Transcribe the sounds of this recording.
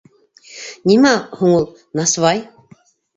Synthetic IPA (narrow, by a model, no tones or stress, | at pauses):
nʲimæhuŋulˠ | nɑsvɑj